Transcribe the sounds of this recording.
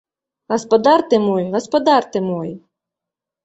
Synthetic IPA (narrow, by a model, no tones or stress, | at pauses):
ɣɐspɐd̪art̪ɨmɔjɣɐspɐd̪art̪ɨmɔj